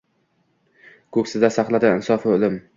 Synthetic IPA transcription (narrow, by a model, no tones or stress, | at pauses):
kʰɵkʲsɪd̪asaχlˠad̪ɪɪnsɒfɪolɪm